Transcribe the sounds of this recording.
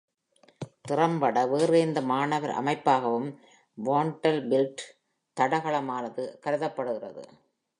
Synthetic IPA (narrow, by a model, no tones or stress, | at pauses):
t̪ɪrɐmbɐɽɐʋeːreɪnd̪ɐmaːɳɐʋɐɾʔɐ̰mɐɪpːaːɣɐʋɯm | ʋoːɳʈɐlbɪlʈ | t̪ɐɽɐɣɐɭɐmaːnɐðɯkɐɾɯðɐpːɐɽɯɣɪrɐ̰ðɯ̰